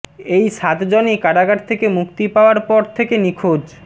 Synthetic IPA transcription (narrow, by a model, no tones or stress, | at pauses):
ejʃat̪d͡ʑonikaɾaɡaɾt̪ʰekemukt̪ipaoaɾpɔɾt̪ʰekenikʰod͡ʑ